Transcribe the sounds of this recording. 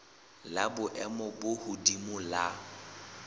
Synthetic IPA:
labʊʔɛmɔbʊhʊdimʊla

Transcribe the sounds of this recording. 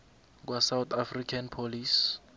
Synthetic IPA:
k̬wasawt̪ʰafrikʰanpʰolis

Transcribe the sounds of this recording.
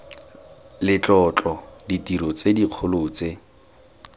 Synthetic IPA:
lɪt͡ɬʼɔt͡ɬʼɔditiɾɔt͡sediq͡χʰʊlʊːt͡se

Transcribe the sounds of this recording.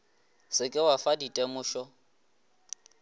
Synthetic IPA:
sɪkʼɪwafaditʼemʊːʃɔ

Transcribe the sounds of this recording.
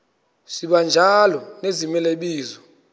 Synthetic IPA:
siɓand͡ʒʱalɔnezimɛleɓiːzɔ

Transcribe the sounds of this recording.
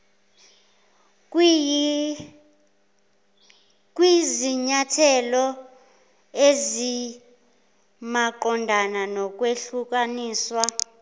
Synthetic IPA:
k̬ʼwiziɲatʰɛlɔ | ezi | maǃɔndʱananɔk̬ʼweɬuk̬ʼaniːswa

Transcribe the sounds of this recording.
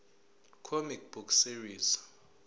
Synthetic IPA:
kʰomikb̥ukʰsiriːz̥

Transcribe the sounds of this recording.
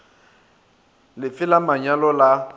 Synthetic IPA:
lɪfɪlamaɲalɔla

